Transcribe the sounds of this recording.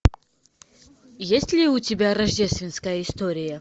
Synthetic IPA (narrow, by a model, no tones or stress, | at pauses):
jesʲtʲlʲɪʊtʲɪbʲaɾɐʐdʲest̪vʲɪnskəjəɪst̪oɾʲɪjə